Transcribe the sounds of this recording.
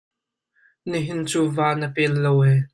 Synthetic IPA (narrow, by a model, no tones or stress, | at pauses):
niɦɪnt͡suːvaːnəpɛlːowɛː